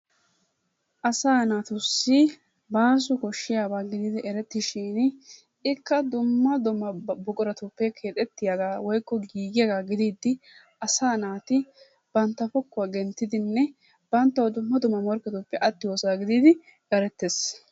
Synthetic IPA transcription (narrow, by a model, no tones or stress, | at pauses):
ʔɐsaːnaːt̪ʊsːi | baːs̬ʊkɔʃːɪjaːbaːɡɪd̪ɪd̪ɪʔɛɾɛt̪ːɪʃiːn | ɪkːɐd̪ʊmːɐd̪ʊmːɐbʊkʼʊɾɐt̪ʊpːɛkʰeːt̪ʼɛt̪ːɪjaɡaːwɔjkːɔɡiːɡɪjɐɡaːɡɪd̪iːd̪ːɪ | ʔɐsaːnaːt̪ɪ | b̥ɐnt̪ːɐfɔkːʊwaːɡɛnt̪ːɪd̪ɪnːɛ | b̥ɐnt̪ːɐwɔd̪ʊmːɐd̪ʊmːɐmɔɾkːɛt̪ʊpːɛʔɐt̪ːɪwoːsaːɡɪd̪ɪd̪ɪ | ʔɛɾɛt̪ːes